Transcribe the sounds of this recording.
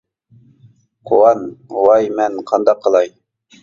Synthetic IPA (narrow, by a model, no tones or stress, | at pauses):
qʰowɑnwɑjmɛnqʰɑnd̪ɑqʰːəlˠɑj